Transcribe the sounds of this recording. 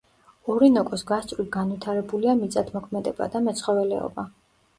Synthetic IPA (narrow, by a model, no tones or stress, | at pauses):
ɔɾinɔkʼɔsɡast̪ʼvɾit̪̚ɡanvit̪ʰaɾɛbuliamit̪sʼat̪ʰmɔkʰmɛd̪ɛba̰d̪amɛt̪sʰχɔvɛlɛ̰ɔ̰ba